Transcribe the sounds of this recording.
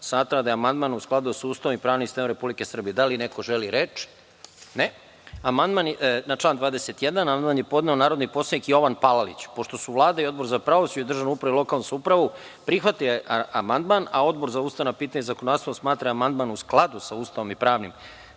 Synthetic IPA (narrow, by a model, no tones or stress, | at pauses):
smaːt̪ɾad̪ajeamand̪manusklˠad̪usauːst̪aʋomipɾaːʋnisenoɾe̞publikesr̩bijed̪aline̞ko̞ʒeliɾet͡ʃ | ne | amand̪mannat͡ʃlˠaːnd̪ʋaːd̪eset̪jed̪anamand̪maːnjepo̞d̪neonaːɾo̞d̪nipo̞sad̪ikijo̞ʋanpalalḭt͡ɕpo̞ʃt̪o̞suʋlˠaːd̪aio̞d̪bo̞ɾzapɾaosuid̪r̩ʒanuupɾailˠo̞kalˠnusupɾaʋu | pɾixʋat̪ioeamand̪manao̞d̪̚bo̞ɾzauːst̪aʋnapiːt̪aɲezakonasoosmaːt̪ɾaamand̪maːnusklˠad̪usauːst̪aʋo̞mipɾaːʋnḭm